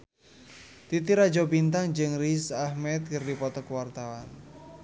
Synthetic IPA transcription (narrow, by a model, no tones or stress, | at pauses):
t̪it̪iɾḁd͡ʒɔbint̪aŋd͡ʒɨŋrisahmɛt̪̚kərdipɔt̪ɔkəwart̪awan